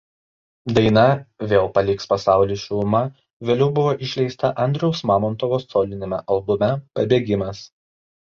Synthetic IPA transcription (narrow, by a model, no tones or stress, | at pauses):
d̪ɐɪnɐʋʲeːlˠpɐlʲɪkspɐsɑˑʊlʲiːʃʲumɐ | ʋʲeːlʲɛʊbʊʋoːʔɪʃʲlʲɛɪst̪ɐʔɐnʲd̪ʲɾʲɛʊsmɑːmɔnt̪ɔʋoːssoːlʲɪnʲemʲɛ̰ʔɐlˠbʊmʲɛpɐbʲeːɡʲɪmɐs